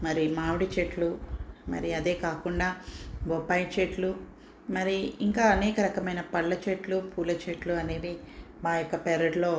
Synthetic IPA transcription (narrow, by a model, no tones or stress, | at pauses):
mɐɾimaːʋuɽit͡ʃeʈlumɐ̰ɾiɐd̪e̞ːkaːkuɳɖaːʋɔpːaːjt͡ʃeʈlu | mɐɾiiŋkaːɐnɛːkɐɾɐkɐmɐjnɐpɐɭːɐt͡ʃeʈlupʰuːlɐt͡ʃeʈluɐne̞ːd̪i | maːjɔkːɐpɛɾɐɖlo̞ː